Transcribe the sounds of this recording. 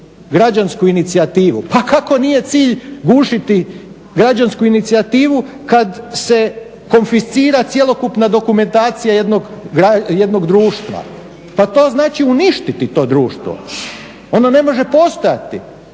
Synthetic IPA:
ɡɾad͡ʒanskuinit̪siat̪iːʋupakʰako̞nije̞t̪siːʎɡuːʃit̪i | ɡɾad͡ʒanskuinit̪siat̪iːʋu | kad̪se̞ | ko̞nfist̪iːɾat̪sjelo̞kupnad̪o̞kume̞nt̪aːt̪sijajed̪no̞ɡɡɾajed̪no̞ɡd̪ɾuːʃt̪ʋa̰ | pat̪o̞ːznaːt͡ʃiuniʃt̪it̪it̪o̞ːd̪ɾuːʃt̪ʋo̞̰ | o̞none̞mo̞ʒe̞po̞st̪o̞ja̰t̪i

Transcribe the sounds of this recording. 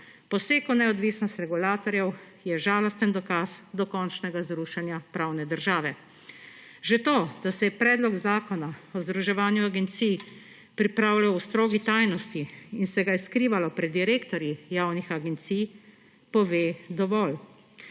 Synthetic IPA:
pɔseːkunɛɔd̪ʋiːsnɔst̪ɾɛɡulaːt̪ɔɾjɛw | jɛʒaːlɔst̪ənd̪ɔkazd̪ɔkɔnt͡ʃnɛɡazɾuːʃanjapɾaːwnɛd̪əɾʒaːʋɛ | ʒet̪oːd̪̥asɛjɛpɾɛːd̪lɔɡzaːkɔnaɔzd̪ɾuʒɛʋaːnjuaɡɛnt̪sij | pɾipɾaːwlawst̪ɾoːɡit̪ajnɔst̪iinsɛɡaiskɾiːʋalɔpɾɛd̪ːiɾeːkt̪ɔɾjijawnixaɡɛnt̪sij | pɔʋeːd̪ɔʋɔl

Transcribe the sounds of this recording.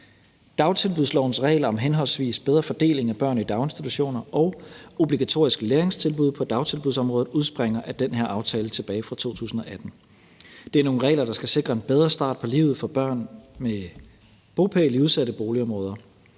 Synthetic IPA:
d̥ɑ̈ʊt͡sʰe̝lb̥uðˠslɒʊnsʁɛ̰ːɪlɐɒ̽mɦenɦɒ̽lsʋḭːsb̥eð̞ˠʁɐfɒ̽d̥e̝̰ːle̝ŋæb̥ɶɐ̰nid̥ɑ̈ʊe̝nsd̥it͡sʰuɕo̝̰ːnɐʔɒʊo̝b̥liɡ̥æt͡sʰo̝̰ɐ̰isɡ̥leːɐeŋst͡sʰe̝lb̥uð̞̰ˠpʰɒ̽d̥ɑ̈ʊt͡sʰe̝lb̥uðˠsɒ̽mʁɔːð̩ˠuð̞ˠsb̥ʁeŋ̰ɐʔæd̥enɦeɐʔɑ̈ʊt͡sʰɛːlət͡sʰe̝b̥ɛːɪfʁɑ̈t͡sʰo̝̰ːt͡sʰṵːsn̩ɒ̽ʔæd̥n̩ | d̥e̝æɐno̝ːn̩ʁɛ̰ːlɐɾ̥ɑ̈sɡ̥æse̝ɡ̥ʁɐe̝nb̥eð̞ˠʁɐsd̥ɑ̰̈ːd̥̚pʰɒ̽lḭːʊð̞̩ˠfɒ̽b̥ɶɐ̰nme | b̥o̝ːpʰeliuðˠsæɾəb̥o̝ːliɒ̽mʁɔ̽ːð̞ˠɐ

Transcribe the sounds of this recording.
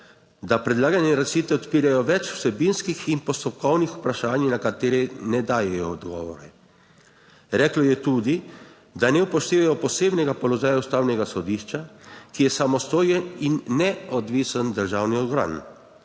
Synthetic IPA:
d̪apɾɛd̪laːɡanɛɾasiːt̪ɛɔt̪piːɾajɔʋɛt͡ʃw̥sɛbinskixinpɔst̪ɔpkɔwnixupɾaʃaːnnakat̪eːɾɛnɛd̪aːjɛjɔːd̪ɡɔ̰ːʋɔɾɛ | ɾɛklɔjɛt̪uːd̪i | d̪anɛupɔʃt̪eːʋajɔpɔseːbnɛɡapɔlɔʒaːjaust̪aːwnɛɡasɔd̪iːʃt͡ʃakijɛsamɔst̪oːjɛninːɛɔd̪ʋisənd̪əɾʒaːwniɔd̪ɡɾa̰ːn

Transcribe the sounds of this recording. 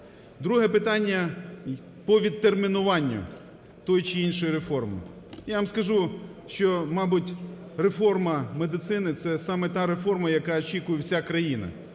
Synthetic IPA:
d̪ɾuɦɛpɪt̪ɑnʲːɐ | pɔʋʲid̪ːermʲinʊʋɑnʲːʊ̰ | t̪ɔjʊt͡ʃɪinʃɔjʊɾefɔrmɪ̰ | jaʋɐmskɐʒu | ʃt͡ʃɔmɑbʊtʲ | re̞fɔrmɐmed̪ɪt̪sɪnɪt̪sɛsɑmɛt̪ɑɾefɔrmɐjɐkɑɔt͡ʃʲikʊjɛwsʲakɾɐjinɐ̰

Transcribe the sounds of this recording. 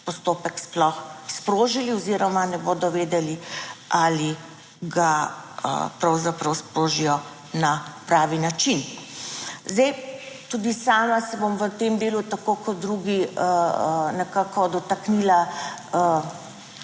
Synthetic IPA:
pɔst̪oːpəksplɔxspɾoːʒiliɔziɾɔmanɛboːd̪ɔʋeːd̪ɛliʔali | ɡaə̰pɾɐwzapɾɐwspɾoːʒijɔ | napɾaːʋinat͡ʃin | zd̪ɛj | t̪ud̪isaːmasɛbomʋət̪emd̪eːlut̪akoːkɔd̪ɾuɡiənɛkaːkɔd̪ɔt̪akniːlaə

